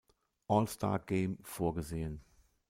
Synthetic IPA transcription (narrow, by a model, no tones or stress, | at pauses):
ʔɔlstʰa̰ːɡ̥eːmfoːɐɡəzeːən